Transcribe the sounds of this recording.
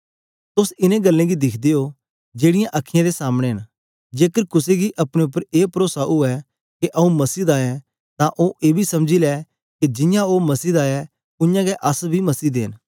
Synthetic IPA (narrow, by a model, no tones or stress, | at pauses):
t̪ʊsɪnẽɡɐlːẽɡid̪ɪkʰd̪eo | d͡ʒeːɽɪjãʔɐkʰːɪjãd̪esaːmɽ̃eɦən | d͡ʒeːkəɾkʊseɡiʔɐpɽ̃eʊp̬ːəɾeːpɾoːsaʔʊɛ | keʔɐũmɐsiːd̪aːɛ̃ | t̪ãʔoːʔeːbʱisɐmd͡ʒilɛ | ked͡ʒɪ̃jãomɐsiːd̪aːɛ | ʊjãɡɛʔɐsbʱimɐsiːd̪ḛːn